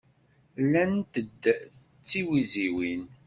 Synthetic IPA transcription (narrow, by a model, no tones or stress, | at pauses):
lːænt̪əd̪ːθət͡sːiwiziwin